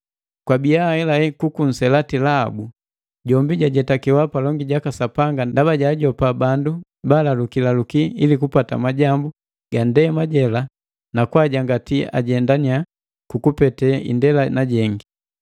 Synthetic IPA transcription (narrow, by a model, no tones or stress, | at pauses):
kwabiahɛlaɛkukun̩sɛlatila̰ːbu | ɟɔmbiɟaɟɛtakiwapalɔŋɡiɟakasapaŋɡandabaɟaːɟɔpabandu | balalukilalukiilikupata̰maɟambu | ɡ̥andɛmaɟɛla | nakwaɟaŋɡatia̰ɟɛndania | kukupɛtɛḭndɛlanaɟɛŋɡi